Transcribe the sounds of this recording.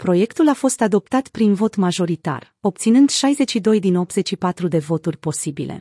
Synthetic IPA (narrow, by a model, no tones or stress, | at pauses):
pɾo̞je̞kt̪ulafo̞st̪ad̪o̞p̚t̪at̪pɾinvo̞t̪maʒo̞ɾit̪a̰r | o̞p̚t̪sinɨnd̪ʃajze̞t͡ʃʃid̪o̞jd̪ino̞p̚t̪z̥e̞t͡ʃʃipat̪ɾud̪e̞vo̞t̪urʲpo̞sibḭle̞̰